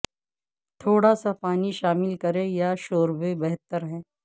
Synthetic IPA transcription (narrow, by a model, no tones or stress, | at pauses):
t̪ʰoːɽasapaːniʃaːmɪlkɐɾẽjaʃoːɾbebɛɦt̪əɾɦɛ̃ː